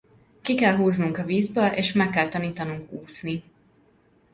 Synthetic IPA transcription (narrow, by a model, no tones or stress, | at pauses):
kikɛlɦuːznuŋkɒviːzbøːlʔḛːʃmɛkːɛlt̪ɒniːt̪ɒnuŋkuːsni